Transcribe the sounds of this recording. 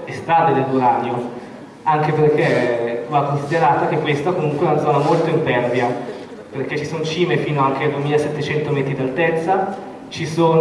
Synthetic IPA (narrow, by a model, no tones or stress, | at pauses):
est̪ɾaːd̪ed̪elːoɾaɲːo | aŋk̟eperkʰevakːonsid̪eɾaːt̪ak̟ekːwest̪akomuŋkweɛunad̪zɔːnamolt̪oimpɛrvja | perket͡ʃːisonot͡ʃiːmefiːnoaŋk̟ead̪uemiːlasɛt̪ːet͡ʃɛnt̪omɛːt̪ɾid̪alt̪ɛt̪sːa | t͡ʃisoːn